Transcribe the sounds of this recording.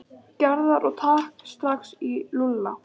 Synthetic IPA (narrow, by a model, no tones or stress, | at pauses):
caɾðaɾʔɔɣt̪ʰaːhkst̪ɾaxsilulːa